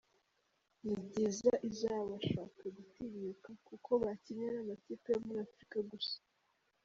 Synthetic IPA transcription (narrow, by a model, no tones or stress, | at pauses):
nibɟizaʔizaːβaʃaːkaɡutiβikakukʰo̞βaciɲenamatipejomuɾiafɾikaɡusḁ